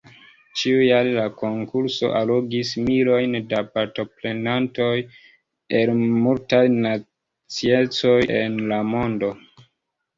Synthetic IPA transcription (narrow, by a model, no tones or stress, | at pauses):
t͡ʃiujallako̞ŋkuɾso̞̰ʔaloɡismilo̞jndapaɾto̞ple̞nanto̞j | elmultajna | t͡siet͡so̞jenlamo̞ndo̞